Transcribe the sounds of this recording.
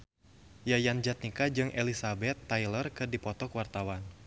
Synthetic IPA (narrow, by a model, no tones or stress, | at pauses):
jajand͡ʒat̪̚nikad͡ʒɨŋʔelisabɛt̪ːajlərkɨrdipɔt̪ɔkwart̪awan